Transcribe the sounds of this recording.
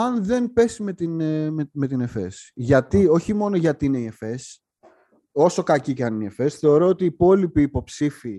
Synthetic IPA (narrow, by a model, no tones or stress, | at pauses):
ɐnðe̞npe̞simet̪inme̞t̪ine̞fe̞sʝɐt̪io̞çimo̞no̞ʝɐt̪iineie̞fe̞s | o̞so̞kɐciceɐniniefe̞sθe̞o̞ɾo̞ot̪iːpo̞lipiːpo̞psifi